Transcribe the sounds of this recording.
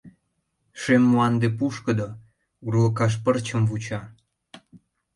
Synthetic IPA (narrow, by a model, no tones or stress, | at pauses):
ʃemːuɑnd̪epuʃkə̆d̪o | uɾukɑʃ̬pərt͡ɕə̆mvut͡ɕɑ